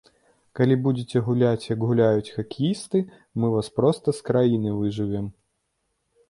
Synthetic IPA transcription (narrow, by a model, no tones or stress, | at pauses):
kɐlʲibudʲɪtʲɛɦʊlʲatʲjɐɡɣʊlʲajʊt͡sʲxɐkʲɪjist̪ɨ | mɨvaspɾɔst̪ɐskɾajinɨvɨʐɨʋʲɛm